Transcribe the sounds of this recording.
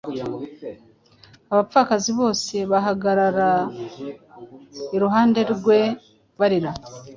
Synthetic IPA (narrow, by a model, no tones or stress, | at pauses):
aβafaːkaziβo̞ːse̞βaɦaɡaɾaɾa | iɾuɦaːnde̞ɾɡwe̞ | βaɾiɾa